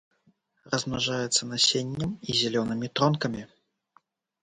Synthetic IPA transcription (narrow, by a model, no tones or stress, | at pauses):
rɐzmnaʐajɛt̪sːɐnasʲenʲːɐmizʲɛlʲɔnɨmʲit̪ɾɔnkɐmʲi